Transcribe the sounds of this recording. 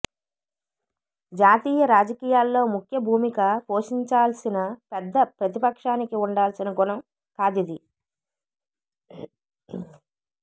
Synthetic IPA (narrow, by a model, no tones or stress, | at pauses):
d͡ʒaːt̪iːjɐɾaːd͡ʒɐkiːjaːlːo̞ːmukʰjɐbʱuːmikapoːʂiɲt͡ʃaːlsinɐpɛd̪ːɐpɾɐt̪ipɐkʂaːnikiuɳɖaːlsinɐɡunɐm | kaːd̪id̪i